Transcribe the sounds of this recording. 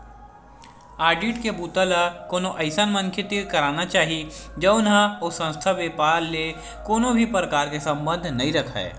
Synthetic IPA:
aːɾɖiːʈkebuːt̪əlakoːnoʔəɪsənmə̃nkʰet̪ikɐɾaːnat͡ʃaːɦid͡ʒɐʊnɦaosə̃nst̪ʰaʋepaːɾːe | koːnobʱipɾəkaːɾkesə̃mbə̃nd̪ʱnɐɦĩɾɐkʰa̰ḛː

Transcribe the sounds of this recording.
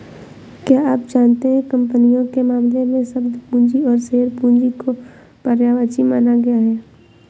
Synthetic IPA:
kjaːaːp̚d͡ʒaːnt̪eɦɛ̃kɐ̃mpənijõkemaːmlemẽsɐbd̪pũːnd͡ʒiɔːɾseːəɾpũːnd͡ʒiko | pəɾjaːʋaːt͡ʃimaːnaɡɐjaɦɛː

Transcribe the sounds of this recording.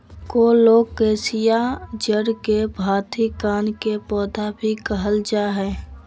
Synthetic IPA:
koloːɡkeːsijad͡ʒəɽkebʱaːt̪ʰikaːnkepɔːd̪ʱabʱikəɦəld͡ʒaːɦɛː

